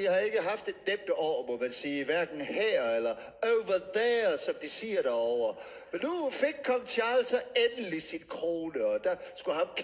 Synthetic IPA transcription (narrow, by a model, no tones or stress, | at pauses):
ihɑe̝ɡ̥əɦɑ̈fd̥e̝d̥nem̰d̥əʔɒ̰ːmɔmænsiːʋæɐɡ̥n̩hæɐ̰elɐ | oʊʋɐðɛsɒ̽md̥isiɐɾ̥æɒʊ̰ɐ | menːufe̝ɡ̥̚kʰːɒ̽mt͡sʰe̝æl̰sɒenəlisinkʰʁoːnəɒ̽d̥ɑ̈sɡ̥uhɑkʰ